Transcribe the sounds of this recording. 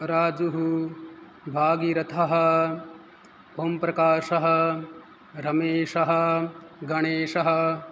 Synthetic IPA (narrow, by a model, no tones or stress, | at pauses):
ɾaːd͡ʒuɦu | bʱaːɡiɾɐt̪ʰɐɦɐ̆ | bʱoːmpɾɐkaːʃɐɦɐ̆ | ɾɐmeːʃɐɦɐ̆ɡɐɳeːʃɐɦɐ̆